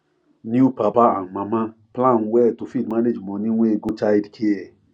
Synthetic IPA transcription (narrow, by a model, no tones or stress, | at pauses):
njupapaãmãmã | plãnwɛtofidmaned͡ʒmɔ̃nĩw̃ʷeɡot͡ʃaidkʰiɛ